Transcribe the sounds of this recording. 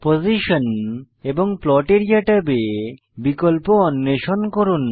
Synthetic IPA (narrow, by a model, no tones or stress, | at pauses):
poziʃon | eboŋplɔʈeɾijaʈabe | bikolponːeʃonkoɾun